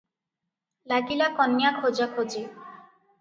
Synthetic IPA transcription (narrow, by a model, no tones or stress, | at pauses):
laɡilakɔnjakʰod͡ʒakʰod͡ʒi